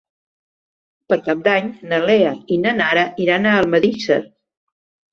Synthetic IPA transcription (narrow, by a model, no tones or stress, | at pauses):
pəɾkap̚d̪aɲnəleəinənaɾəiɾanaəlˠməðisə̰ɾ